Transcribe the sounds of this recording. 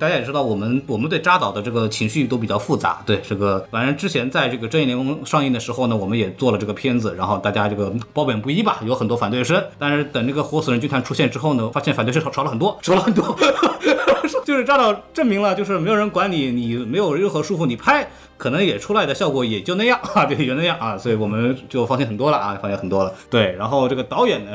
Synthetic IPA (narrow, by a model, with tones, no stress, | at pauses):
a˥˩t͡ɕja˥jɛ˨˩ʈ͡ʂɻ̩˥ɑ˥˩ʊwɔ˨˩mə˦nwɔ˨˩mə˦nt̪we˥˩ɪʈ͡ʂa˥t̪ɑ˨˩ʊd̪ə˦ʈ͡ʂɤ˥˩ɡə˩t͡ɕʰi˧˥ŋɕy˥˩t̪o˥ʊpi˨˩t͡ɕjɑ˥˧ʊfu˥˩t͡sa̰˧˥t̪we˥˩ɪʈ͡ʂɤ˥˩ɡə˩fa˧˥nə˧˥nʈ͡ʂɻ̩˥t͡ɕʰjɛ˧˥nt͡sa˥˧ɪʈ͡ʂɤ˥˩ɡə˩ʈ͡ʂjljɛ˧˥ʊ˥ŋʂɑ˥˧ŋi˥˩d̪ə˩ʂɻ̩˧˥xo˧ʊnə˩wɔ˨˩mə˦njɛ˨˩t͡swɔ˥˩lə˩ʈ͡ʂɤ˥˩ɡə˩pʰjɛ˥nd͡zɹ̩˨˩ɻa˧˥nxo˥˧ʊt̪a˥˩t͡ɕja˥ʈ͡ʂɤ˥˩ɡə˩pɑ˥ʊpjɛ˨˩npu˥˩i˥bɐ˨jo˧˥ʊxə˨nt̪wɔ˥fa˨˩nt̪we˥˩ʂə˥nt̪a˥˧nʂɻ̩˥˩t̪ə˨˩ŋʈ͡ʂə˥˩ɡə˩xwɔ˧˥su˨˩ɻə˧˥nt͡ɕy˥nt̪ʰa˧˥nʈ͡ʂʰu˥ɕjɛ˥˧nʈ͡ʂɻ̩˥xo˥˩ʊnə˩fa˥ɕjɛ˥˩nft̪ʂʰlə˧xə˨˩nt̪wɔ˥ʂʰɑ˧˥ʊlə˧xə˨˩nt̪wɔ˥ | ʂt͡ɕo˥˧ʊʂɻ̩˥˧ʈ͡ʂɑ˥t̪ɑ˥˧ʊʈ͡ʂə˥˩ŋmi˧˥ŋlə˧t͡ɕjo˧ʊʂɻ̩˥˩m˧˥jo˨˩ɻə˧˥kwa˧˥nli˨˩ni˨˩me˧˥ɪjo˨˩ʊɻə˥˩nxɤ˧˥ʂu˥˧fu˥˩ni˨˩pʰa˥ɪ | kʰɤ˨˩nɤ˧˥ŋjɛ˨˩ʈ͡ʂʰu˥la˧ɪd̪ə˩ɕjɑ˥˩ʊkwɔ˧˥jɛ˨˩t͡ɕjo˥˧ʊna˥˧jɑ˥˩ŋa˧t͡ɕjo˧˥na˥˧jɑ˥˩ŋʔa˥˩swɔ˧˥i˧˥wɔ˨˩mə˦nt͡ɕjo˥˩ʊfŋɕɛ˥nxə˨˩nt̪wɔ˥lə˨ʔfɑ˥ɕjɛ˥nxə˨˩t̪wɔ˥lə˨t̪we˥˩ɪɻa˧˥nxo˥˧ʊʈ͡ʂɤ˥˩ɡə˩t̪ɑ˧˥ʊjɛ˨˩nnə˦